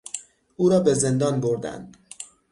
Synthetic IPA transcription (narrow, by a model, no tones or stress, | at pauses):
ʔuːɾɒːbe̞ze̞nd̪ɒːnboɾd̪æ̰nd̪